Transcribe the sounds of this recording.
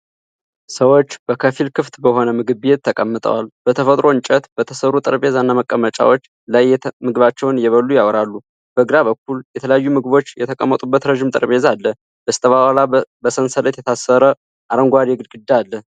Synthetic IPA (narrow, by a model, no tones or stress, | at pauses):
səwo̞t͡ʃːbəkʰəfilkʰɨft̪bəho̞nəmɨɡɨβjet̪ʰːəkʼəmːɨt̪ʼə̰walbət̪ʰəfət̪ʼɾʔo̞ɨnt͡ʃʼət̪b̥ət̪ʰəsəɾut̪ʼɨɾbe̞zanːaməkʼːəmət͡ʃʼa̰wot͡ʃː | lajmɨɡɨβat͡ʃːɛwnɨjɛβəlːujawɾalːu | b̥əɡɾaβək̚ːuljɛt̪ʰələjajːumɨɡɨβo̞t͡ʃːjɛt̪ʰəkʼəmːət̪ʼubːət̪ɾəʒimt̪ʼɨ̰ɾβe̞zalːə | bəst̪ʰʼəβawalabəsənsəlet̪jɛt̪ʰasːəɾə | ʔaɾəŋɡʷad̪jeɡɨlɡɨd̪ːaalːə